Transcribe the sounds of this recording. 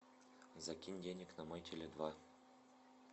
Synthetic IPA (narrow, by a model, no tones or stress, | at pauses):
zakʲinʲdʲenʲɘ̆kʲnamɤjtʲʰelʲed̪vɑ